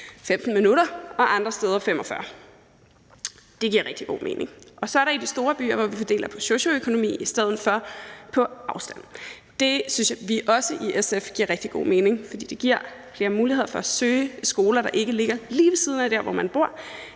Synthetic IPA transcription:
fem̰d̥n̩minuɾɐɒ̽ʔɑ̈nd̥ʁɐsd̥eːð̞ˠɐfem̰ɒ̽fɶɐ | d̥e̝ɡ̥iɐ̰ʁɛɡ̥̚d̥iɡ̥o̝̰ːmʔe̝ːne̝ŋʔɒ̽sɒ̽æɐɾɑidisd̥o̝ːɐb̥y̰ːɐʋɒʋifɒd̥e̝̰ːlɐpʰɒ̽soɕo̝økʰo̝no̝mḭːisd̥eð̞ˠn̩fɒ̽pʰɒ̽ɑ̈ʊsd̥æn̰ | d̥e̝synsjaʋiʔɒ̽səʔiʔesefɡ̥ḭɐ̰ʁɛɡ̥̚d̥iɡ̥o̝̰ːme̝ːne̝ŋfɒ̽d̥ḭːd̥e̝ɡ̥iɐ̰fle̝ːɐmuːliheð̰ˠɐfɒ̽æsøːsɡ̥o̝ːlɐɾ̥ɑ̈ʔe̝ɡ̥əle̝ɡ̥ɐliːʋe̝siːð̞ˠn̩æd̥æɐ̰ʋɒmænb̥o̝ɐ̰

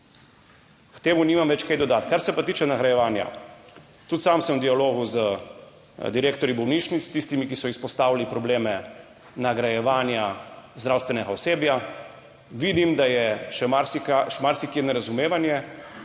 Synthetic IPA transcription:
kt̪eːmuniːmamʋɛt͡ʃkɛjd̪ɔd̪aːt̪kaɾsɛpat̪iːt͡ʃɛnaɡɾajɛʋaːnja̰ | t̪ut̪samsəmd̪ijaloːɣuzə | d̪iɾeːkt̪ɔɾjibɔwniːʃnit̪st̪ist̪imikisɔispɔst̪aːwalipɾɔbleːmɛ | naɡɾajɛʋaːnjazd̪ɾaːwst̪ʋɛnɛɡaɔseːbja | ʋid̪imd̪ajɛʃɛmaɾsikaʃmaɾsikenɛɾazumeːʋanjɛ

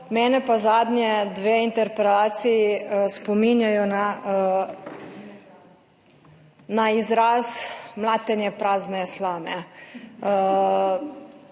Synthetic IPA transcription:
mɛːnɛpazaːd̪njɛd̪ʋeːint̪ɛɾpɾɛlaːt̪sijispɔminjajɔna | naizɾaːsmlaːt̪ɛnjɛpɾaːznɛslaːmɛ

